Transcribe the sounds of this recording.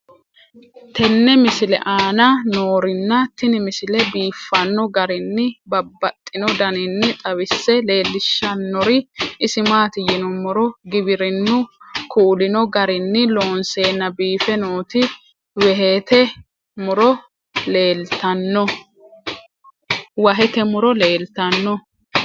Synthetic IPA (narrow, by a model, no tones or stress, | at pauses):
t̪ɛnːɛmɪsɪlɛ̰ʔaːnɐnoːɾɪnːɐt̪ːɪnɪmɪsɪlɛbiːfːɐnːɔɡɐɾɪnːɪbɐbːɐt̪ʼːɪnɔd̪ɐnɪnːɪt̪ʼɐwɪsːɛle̞ːlːɪʃːɐnːɔɾɪʔɪsɪmaːt̪ɪjɪnʊmʊɾɔɡɪbɪɾɪnːʊkʰuːlɪnɔɡɐɾɪnːɪlo̞ːnseːnːɐbiːfɛnoːt̪ɪ | wɛɦeːt̪ɛ | mʊɾɔ | leːlt̪ɐnːɔ | wɐɦɛt̪ɛmʊɾɔleːlt̪ɐnːɔ